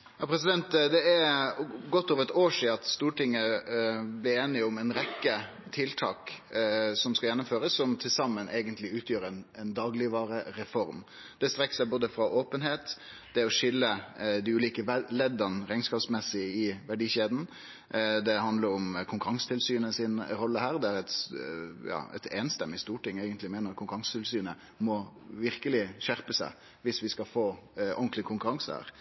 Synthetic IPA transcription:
jɑːpʰɾɛsɪd̪ɛnt̪d̪ɛæɾɡɔt̪ːoːʋəɾɛt̪oːʂiːɑt̪st̪uːʈɪŋːə | blɪeːnɪʊmɛɪnɾɛkːə | t̪ʰɪlt̪ʰɑːk | sɔmskɑjɛnːʊmføːɾəsːɔmt̪ʰɪlsɑmːənʔeːɡənt̪ʰlɪʉːt̪ʰjøːɾɛnɛnd̪ɑːɡlɪʋɑːɾəɾɛfɔɾm | d̪̥ɛst̪ɾɛkːsæɪboːd̪əfɾɑʔoːpənɦeːt̪ | d̪̥ɛɔʂʏlːəd̪ɪʉːliːkəʋlɛd̪ɑnɾæɪnskɑːpsmɛsːɪɪʋæɖiːɕeːd̪n̩ | d̪ɛhɑnd̪ləɾɔmkʰʊŋkʉɾɑŋsə̥t̪ʰɪlsyːnəsɪnɾɔlːəhæːɾd̪ɛæɾɛt̪ | jɑ̰ːɛ̰t̪ʰeːnst̪ɛmːɪst̪uːʈʰɪŋːeɪɡənt̪lɪmeːnəɾkʰʊŋkʉɾɑŋsə̥t̪ʰɪlsyːnə | mɔʋɪɾkəlɪɕæɾpəsæ̰ɪ | ʋɪsʋɪskɑfoːʔɔŋklɪkʰʊŋkʉɾɑŋshæ̰ːɾ

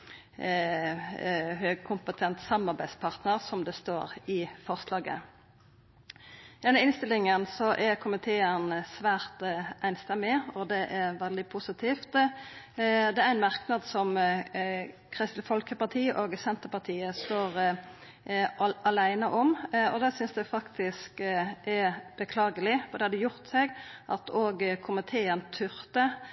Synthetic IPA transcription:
høːɡ̚kʰʊmpət̪ʰɛnt̪sɑmɑʁbæɪspʰɑʁt̪nəʁsɔmd̪ɛst̪oːɾɪfɔʁslɑːɡə̰ | d̪ɛnːəɪnst̪ɪlɪŋənsɔʔɛɾkʰʊmɪt̪ʰeːənsʋæːɾt̪æɪnst̪ɛmːɪɔd̪ɛʔɛɾʋɛld̪ɪpʰʊsɪt̪ʰiːft̪ | d̪ɛæɾæɪnmɑʁknɑd̪sɔm | kʰʁɪst̪̩fɔlkəpɑt̪ʰiːʔoːɡsɛnt̪əpɑʁt̪ʰiːəst̪oːɾ | ɑlæɪnəʔɔmɔd̪ɛːsʏnsd̪ʉfɑkt̪ɪskʔɛb̥əkʰlɑːɡəlɪfɔd̪ɛhɑd̪ɛjʊʁt̪sɛɡʔɑt̪ʰoːɡkʰʊmɪt̪ʰeːənt̪ʰʏɾt̪ə

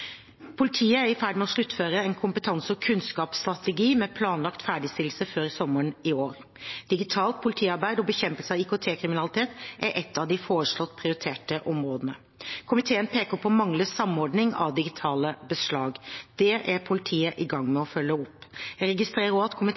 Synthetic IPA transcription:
pʰʊlɪt̪ʰiːəæɾɪfæɖmɛɔslʉt̪ːføːɾəɛːnkʰʊmpət̪ʰɑnsəɔkʰʉnskɑːpst̪ɾɑt̪ɛɡiːmɛpʰlɑːnlɑkt̪fæːɖɪst̪ɪl̩səføːɾɪsɔmːəɳɪoːɾ | d̪̥ɪɡɪt̪ʰɑːlt̪̚pʰʊlɪt̪ʰiːɑɾbæɪd̪ɔbəçɛmpəlsəɑʋikʊt̪ʰeːkʰɾɪmɪnɑlɪt̪ʰeːt̪ʔæɾʔɛt̪ʰːɑʋd̪ɪfoːɾəʂlɔt̪ːpʰɾɪʊɾɪt̪ʰeːʈəʔɔmɾoːd̪ənə̰ | kʰʊmɪt̪ʰeːənpʰeːkəɾpʰɔmɑŋləsɑmɔɖnɪŋɑ̰ʋd̪ɪɡɪt̪ʰɑːləbəslɑːɡd̪̥ɛʔæpʰʊlɪt̪ʰiːəʔɪɡɑŋːmɛɔfœlːəʊpːæɾɛɡɪst̪ɾeːɾəɾɔʋɑt̪kʰʊmɪ

